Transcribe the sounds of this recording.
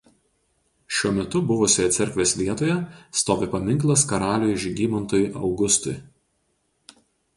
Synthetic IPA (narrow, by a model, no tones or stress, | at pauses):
ʃʲuɔmʲɛt̪ʊbʊʋʊːsʲoːjɛt̪sʲɛɾʲkʋʲeːsʲʋʲiɛt̪oːjɛst̪oːʋʲepɐmʲɪŋklˠɐskɐɾɑːlʲojɪʒʲɡʲiːmɐnt̪oːjʔɒ̰ʊɡʊst̪ʊj